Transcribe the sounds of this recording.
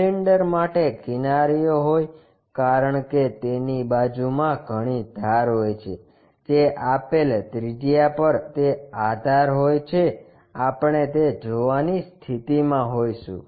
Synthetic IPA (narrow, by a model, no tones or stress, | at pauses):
iɳɖəɾmaʈekɪnaɾijoɦoj | kaɾəɳket̪enibad͡ʒumãɡʱəɽ̃id̪ʱaɾɦojt͡ʃʰe | d͡ʒeʔapelt̪ɾid͡ʒijapəɾt̪ead̪ʱaɾɦojt͡ʃʰe | apɳet̪ed͡ʒoʋanist̪ʰit̪imãɦojʃṵ̃